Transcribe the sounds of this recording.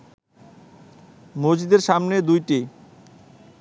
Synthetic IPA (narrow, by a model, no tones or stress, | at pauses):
mod͡ʑid̪eɾʃamned̪ujʈi